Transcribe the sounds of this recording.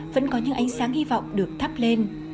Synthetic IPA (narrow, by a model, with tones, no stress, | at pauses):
və̰˧˥nkɔ˨˦ɲɨ̰˧˥ŋʔa˨˦jŋ̟saː˨˦ŋhi˧vɔ̰˧˨wŋ͡mɗɨ˨˩ək̚t̪ʰə˦˥p̚le˧n